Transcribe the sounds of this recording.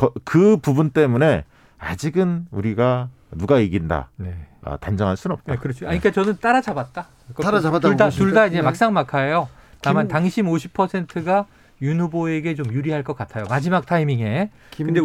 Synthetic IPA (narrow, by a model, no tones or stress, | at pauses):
kʌkɯpubunt͈e̞mune̞ | a̰d͡ʑiɡɯnuɾiɡa | nuɡaiɡinda̰neʌ̰tand͡ʑʌŋɦans͈unʌp̚takɯɾʌt͡ɕʰaɲik͈at͡ɕʌnɯnt͈aɾad͡ʑabat̚t͈a | kɾatuɭdatuɭdaid͡ʑe̞mak̚s͈aŋmakʰajo | tamantaŋɕʰimoɕʰipʰʌsʰe̞ntʰɯɡa | junhuboe̞ɡe̞t͡ɕomjuɾiɦaɭk͈ʌk͈atʰajomad͡ʑimak̚tʰaimiŋe̞ | kɯnde̞